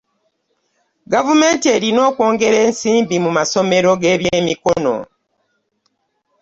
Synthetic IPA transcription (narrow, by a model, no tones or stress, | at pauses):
ɡavume̞ːntie̞ɾino̞ːkwo̞ːŋɡe̞ɾe̞ːnsiːmbimumaso̞me̞ɾo̞ɡe̞ːβjeːmiko̞no̞̰